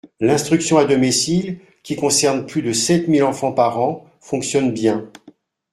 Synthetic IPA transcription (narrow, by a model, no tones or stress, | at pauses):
lɛ̃st̪χyksjɔ̃ad̪ɔmisil | kʲikɔ̃sɛʁnplyd̪əsɛt̪milɑ̃fɑ̃paʁɑ̃ | fɔ̃ksjɔnbjɛ̃